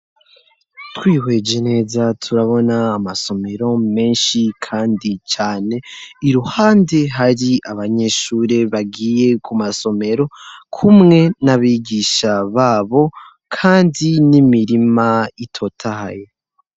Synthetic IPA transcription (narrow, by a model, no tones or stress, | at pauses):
twiːwe̞d͡ʒe̞ne̞ːzatʰuɾaβo̞naːmaso̞me̞ɾo̞me̞ːnʃikʰaːndit͡ʃaːne̞iɾuhaːnde̞ɦaɾiʔaβaɲe̞ʃuːɾe̞βaɡiːje̞kʰumaso̞me̞ɾo̞kʰumŋe̞naβiɡiʃaβaːβo̞ | kʰaːndinimiɾimaitʰo̞tʰaha̰je